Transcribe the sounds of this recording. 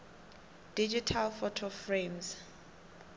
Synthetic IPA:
d̥id͡ʒitʰalfɔtʰɔfremz

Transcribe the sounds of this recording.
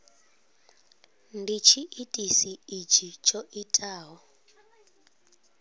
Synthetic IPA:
ndit͡ʃʰiʔitʼisiːt͡ʃit͡ʃʼoʔitʼaːɦɔ

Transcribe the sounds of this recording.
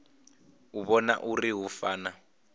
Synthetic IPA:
uβɔna̰ʔuriɦufaːna

